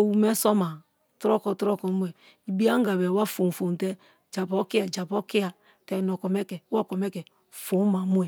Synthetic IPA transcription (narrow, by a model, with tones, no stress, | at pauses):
o˨wu˨mɛ˦sɔ˦ma˨ | tɾɔ˦kɔ˨tɾɔ˦kɔ˨mu˦ɛ˨ | i˨bi˦a˦ŋ˦ɡa˨bɛ˨wa˦fo˨n˨fo˨n˨tɛ˦ | d͡ʒa˨pɔ˦ki˦a˨d͡ʒa˨pɔ˦ki˦a˨ | tɛ˨nɔ˨kɔ˨mɛ˦kɛ˨˦ɔ˦˨kɔ˨mɛ˦kɛ˨ | fo˨˦ma˨˦mu˦ɛ˨